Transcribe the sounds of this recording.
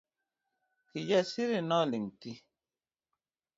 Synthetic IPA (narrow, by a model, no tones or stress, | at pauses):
kijɛsiɾinɔliŋti